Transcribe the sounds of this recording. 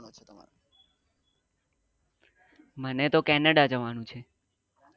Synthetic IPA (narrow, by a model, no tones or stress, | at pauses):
nut͡ʃʰet̪əa̰ɾ | mənet̪okɛnəɽad͡ʒəʋanũt͡ʃʰe